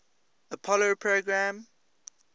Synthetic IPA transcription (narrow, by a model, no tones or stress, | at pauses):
əpʰɔlopʰɹoɡɹãm